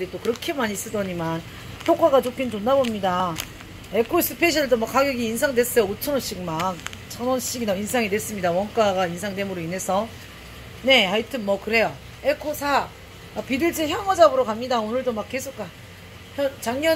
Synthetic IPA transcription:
ɾit͈okɯɾʌkʰemaɲis͈ɯdʌɲiman | çjok͈aɡat͡ɕokʰintonːabomɲida | e̞kʰos͈ɯ̥pʰeɕʰiɾɯɭdomak͈aɡjʌɡiːns̬ʰaŋde̞s͈ʌjoot͡ɕʰʌnʌnɕ͈ik̚mant͡ɕʰʌnʌnɕ͈iɡinainsʰaŋidwes͈ɯmɲidawʌnk͈aɡainsʰaŋde̞muɾoinɦe̞s͈ʰʌ | ne̞aitʰɯnmʌkɯɾe̞jo | ekʰosʰa | apidɯɭd͡ʑiçjʌŋʌd͡ʑabɯɾokamɲidaonɯɭdomak͈ːe̞sʰok͈̚a | çjʌnt͡ɕaŋɲʌ

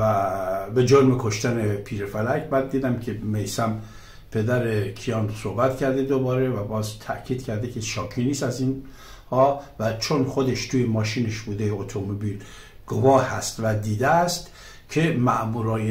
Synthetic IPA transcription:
æbe̞d͡ʒoɾmekʰo̞ʃt̪ænepʰiːɾefælækbæd̪ːiːd̪æmkʰemejsæm | pʰe̞d̪æɾekʰijɒːnso̞hbæt̪cʰæɾd̪ed̪obɒːɾevæbɒːzt̪ʰæ̰ʔcʰiːd̪̥kʰæɾd̪ekʰeʃɒːkʰiniːst̪æziːn | hɒːvæt͡ʃʰonxod̪eʃt̪ʰuːjemɒːʃiːneʃbuːd̪ejeot̪ʰomobiːl | ɡ̥ovɒːhæst̪væd̪iːd̪eæst̪ | cʰe̞mæʔmuːɾɒːje

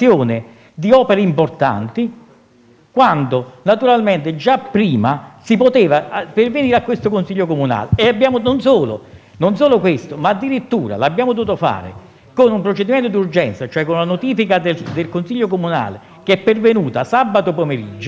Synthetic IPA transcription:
joːnɪ | d̪iɔːpeɾeimport̪a̰nt̪i | kwand̪onat̪uɾalment̪ɪd͡ʒapːɾiːmasipot̪eːvaperveniːɾeakːwest̪okonsiʎːokomuna̰ːleːabːjaːmononsoːlo̰ | nonsoːlokwest̪omaːd̪ːiɾit̪ːuːɾa̰labːjaːmot̪̬uuːt̪ofa̰ːɾɪ̰ | konumpɾot͡ʃed̪imɛnt̪od̪iurd͡ʒɛnt̪sat͡ʃoɛkːonulanot̪iːfikad̪ed̪elkonsiʎːokomuna̰ːle | keɛpːervenuːt̪asabːat̪̬opomeɾid͡ʒːo

